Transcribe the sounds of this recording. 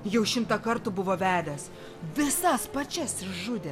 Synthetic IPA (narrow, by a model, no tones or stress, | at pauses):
jɛʊʃʲɪmt̪ɐkɐɾt̪ʊbʊʋoːʋʲæːd̪ʲɛs | ʋʲɪsɐspɐt͡ʃʲɛsɪʃʒʊd̪ʲe